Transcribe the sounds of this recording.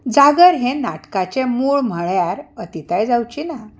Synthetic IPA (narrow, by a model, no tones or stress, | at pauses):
d͡zaɡəɾɦẽnaʈkat͡ɕẽmuɭm̤əɭjaɾət̪it̪ajd͡zawt͡ɕina